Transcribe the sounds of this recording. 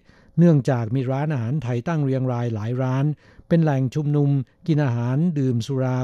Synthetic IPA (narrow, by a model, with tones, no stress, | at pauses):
nɯ˥˩əŋt͡ɕaː˨˩k̚miː˧ɾaː˦˥nʔaː˧ɦaː˩˦nt̪ʰa˧jt̪a˥˩ŋɾi˧əŋɾaː˧jlaː˩˦jɾaː˦˥n | pe˧nlɛ˨˩ŋt͡ɕʰu˧mnu˧m | ki˧nʔaː˧ɦaː˩˦ndɯː˨˩msu˧ɾaː˧